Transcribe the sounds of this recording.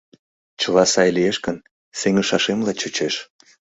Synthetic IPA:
t͡ɕəlɑsɑjlieʃkən | seŋəʃɑʃemlɑt͡ɕot͡ɕeʃ

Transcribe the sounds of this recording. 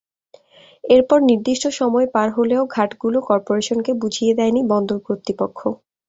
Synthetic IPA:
eɾpɔɾniɾd̪iʃʈoʃɔmɔepaɾɦoleoɡʱaʈɡulokɔɾpoɾeʃonkebud͡ʑʱijed̪ɛjnibɔnd̪oɾkɾot̪ɾipokʰːo

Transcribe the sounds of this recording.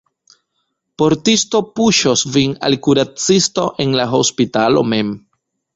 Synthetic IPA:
po̞ɾtisto̞puʃosvina̰lkuɾat͡sisto̞ʔe̞nlaɦo̞spitalo̞̰me̞m

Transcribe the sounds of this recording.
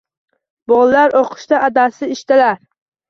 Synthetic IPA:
bɒlˠlaɾoqʰɨ̥ʃt̪aʔːd̪asɪɪʃt̪ɪlaɾ

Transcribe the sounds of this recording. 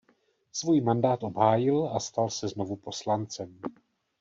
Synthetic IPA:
svujmandaːt̪ʔo̞bɦaːjɪlast̪alsɛzno̞vupo̞slant͡sɛm

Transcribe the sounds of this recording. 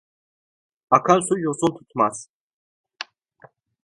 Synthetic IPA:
akʰansujosunt̪ʰu̥t̪ʰmaz̥

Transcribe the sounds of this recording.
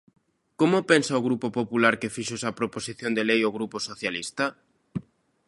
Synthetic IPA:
komopɛnsaoɣ̞ɾupopopulaɾkefiʃoesapɾoposiθjond̪elejoɣ̞ɾuposoθjalist̪a

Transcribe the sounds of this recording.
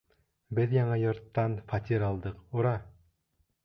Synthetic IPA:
bɘðjɑɴɑjŏɾt̪ːɑnfɑt̪ʲiɾɑlˠd̪ɤquɾɑ

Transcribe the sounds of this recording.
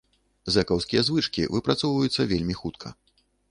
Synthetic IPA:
zɛkɐwskʲijɐzvɨt͡ʂkʲḭvɨpɾat̪sɔwvɐjut̪sːɐvʲelʲmʲixut̪kʰɐ̰

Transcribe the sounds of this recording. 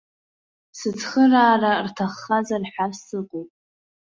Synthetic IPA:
sɨt͡sʰχəraːrartʰaχːazarħasɨqʼopʼ

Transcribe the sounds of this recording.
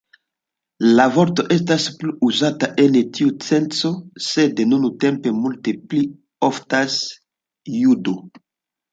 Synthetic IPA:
lavo̞ɾto̞ʔe̞staspluuzataʔentiut͡se̞nt͡so̞se̞denunute̞mpe̞multepli | oftas | judo

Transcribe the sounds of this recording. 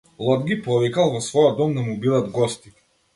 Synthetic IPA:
lˠɔd̪ɡipɔvikalˠvɔsvɔjɔd̪ɔmd̪amubid̪ad̪ɡɔst̪i̥

